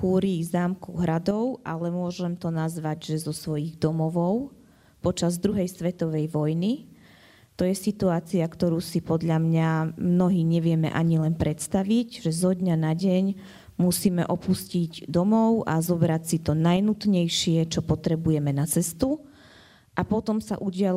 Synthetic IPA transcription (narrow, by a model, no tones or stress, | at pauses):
xuːɾiːɣzaːmkɔʊɦɾad̪ɔʊʔa̰lɛmʊɔʒɛmt̪ɔnazʋaɟʒɛzɔsʋɔjiɣd̪ɔmɔʋɔʊ | pɔt͡ʃazd̪ɾuɦɛjsʋɛt̪ɔʋɛjʋɔjni | t̪ɔjɛsit̪uaːt͡siakt̪ɔɾuːsipɔd̪ʎamɲamnɔɦiːɲɛʋɪɛmɛ̰ʔaɲilɛnpɾɛt̪st̪aʋiɟʒɛzɔd̪ɲanaɟɛɲ | musiːmɛʔɔpusciɟd̪ɔmɔʊʔazɔbɾacsit̪ɔnajnut̪ɲɛjʃɪɛt͡ʃɔpɔt̪ɾɛbujɛmɛnat͡sɛst̪u | ʔapɔt̪ɔmsa̰ʔuɟɪa